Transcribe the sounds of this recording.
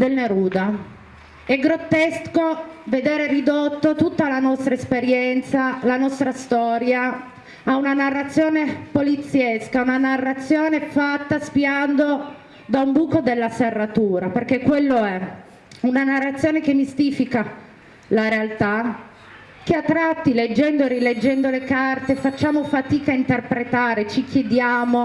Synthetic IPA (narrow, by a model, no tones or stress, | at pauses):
d̪elneɾuːd̪a | ɛɡɾot̪ːeskoved̪eːɾerid̪ot̪ːot̪ut̪ːalanɔst̪ɾaespeɾjɛnt̪salanɔst̪ɾast̪ɔːɾjaː | unanarːat̪sjoːnepolit̪sːjeskaunanarːat̪sːjoːnefat̪ːaspiand̪o | d̪aumbuːkod̪elːaserːat̪uːɾaperk̟ekːwelːoɛ | unanarːat̪sːjoːnek̟emːist̪iːfika | laɾealt̪a | k̟eat̪ːɾat̪ːiled͡ʒːɛnd̪oeɾiled͡ʒːɛnd̪olekart̪efat͡ʃːaːmofat̪iːkaint̪erpɾet̪aːɾet͡ʃik̟jed̪jaːmo